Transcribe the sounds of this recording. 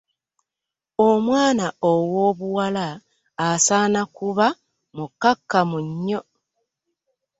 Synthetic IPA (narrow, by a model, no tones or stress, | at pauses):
omwaːnaowo̞ːβuwalaː | saːnakuβa | mukːakːamuɲːo